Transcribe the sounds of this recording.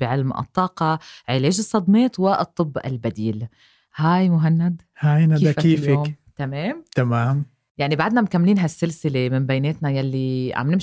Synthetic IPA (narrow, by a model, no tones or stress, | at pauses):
b̥ɪʕɪlmʔɨ̰t̪ˤːɑːqɑʕɪleːʒɨsˤːɑd̪meːt̪wɪʔɨt̪ˤːɨbːɪ̰lbad̪iːl | haːjmʊɦanːad̪ | haːjnaakiːljaoːmt̪ameːmt̪amaːm | jaʕnibaʕd̪namɪkamːliːnɦasːɪlsɪlemɪmbajneːt̪najalːiʕa̰mnɪm